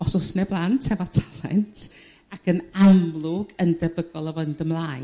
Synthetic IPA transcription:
ɔsɔsnɛblˠantʰɛvatʰḁlˠɛ̰ntʰ | akʰənamlˠʊɡəndɛbəɡɔlˠəvɔndəmlˠaːj

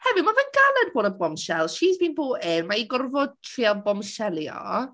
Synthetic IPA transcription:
hɛvɨmavanɡalˠɛdboːdəbɔmʃɛlˠʃiːzmiːnboːɪnmaiɡɔrvɔd̚tʰriːabɔmʃɛlˠjɔ̰

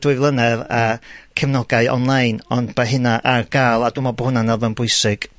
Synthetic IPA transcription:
d̥ʊɨvlˠənɛvakʰɛmnɔɡaɨʔɔ̰nlˠajnɔndbaɦɪnaʔarɡ̥aːlˠadumɔbɔhʊnanɛlˠvɛnbʊɨsɪɡ̥

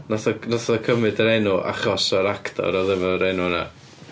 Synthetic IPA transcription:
naθɔnɔθɔkʰəmɨdɾenuʔa̰χɔsɔɾaktʰɔ̰ɾɔðɛvɔɾejnuna̰

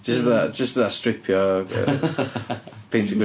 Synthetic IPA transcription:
d̥ʒ̥ʌsðəʔd̥ʒ̥ʌsðətstɹ̥ɪpʰjə̰ | pʰɪ̃ntʰəɡ

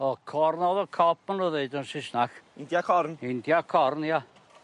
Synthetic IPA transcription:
ɔkʰɔrnɔðəkʰɔp̚ʰmanuðeɨdɔnsɪsnaxɪndjakʰɔrnɪndjakʰɔrnia

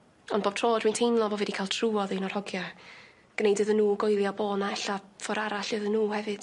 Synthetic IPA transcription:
ɔndboːb̚tʰroːdmintʰejnlˠɔbovɛdikʰajlˠtʰruːɔðenɔr̥hɔɡja | ɡ̥nejdɨðənːuːɡɔjlˠjaboːnaɛɬafɔɾaɾaɬɨðənːuːhɛvɨd̥

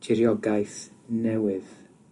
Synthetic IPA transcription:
d̥ʰɪɾjɔɡajθnɛwɨð

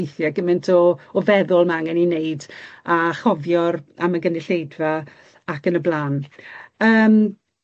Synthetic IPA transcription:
jθjaɡəmɪntʰɔːvɛðʊlˠmaŋɛnineɨdaχɔvjɔɾaməɡənɪɬejdvaː | kənəblˠaːn | əːm

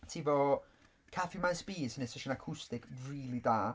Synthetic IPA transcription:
tʰiːvɔ | kʰafimajsbiːsənɛsɛʃənakʰʊstɪkʰriːlˠidaː

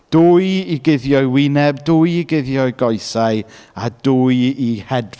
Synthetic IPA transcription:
d̥uːɨiɡɪðjɔɨwɪnɛbduːɨiɡɪðjɔɨɡɔɨsaɨaduːɨihɛd

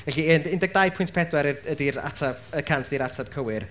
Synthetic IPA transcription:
vɛɬiənɪndɛɡ̚dajpʰʊjntʰpʰɛdwɛɾiədiɾa̰tʰabəkʰantʰd̥iːɾatʰab̥̚kʰəwɪr

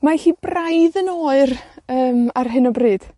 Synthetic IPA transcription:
maɬiːbrajðənoːɨrəːmarɦɪnɔbrɨːd̥

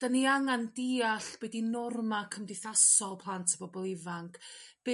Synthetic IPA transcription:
d̥aniaŋandiːaɬb̥ɛdinɔrmakʰəmdɪθasɔlˠpʰlˠantʰəbɔbɔlˠɪvaŋkʰb̥

